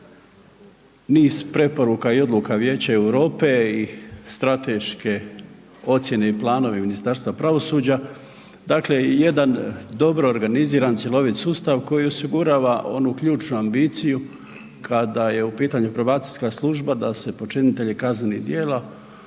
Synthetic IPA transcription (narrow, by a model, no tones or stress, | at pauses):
niːz̥pɾe̞po̞ɾukaio̞d̪lukaʋjeːt͡ɕaewɾo̞ːpe̞ist̪ɾat̪e̞ʃke̞ | o̞t̪sje̞ne̞iplˠaːno̞ʋeminist̪aɾst̪ʋapɾaʋo̞suːd͡ʑa | d̪akle̞jed̪and̪o̞bɾo̞ːɾɡaniziːɾant̪sʲjelo̞ʋit̪sust̪aʋko̞jio̞siɡuɾaːʋaʔo̞nukʎuːt͡ʃnuambiːt̪siju | kʰad̪aje̞upiːt̪aɲupɾaʋaːt̪siskaslˠuʒbad̪ase̞po̞t͡ʃinit̪e̞ʎekaznenid̪jeːla